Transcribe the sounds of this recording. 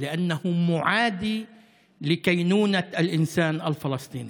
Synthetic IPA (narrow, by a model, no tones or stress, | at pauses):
lɪʔanːahʊmʊʕaːd̪i | lɪkajnuːnaʔalʔɪnsaːnʔalfɑlɑsˤt̪ˤiːni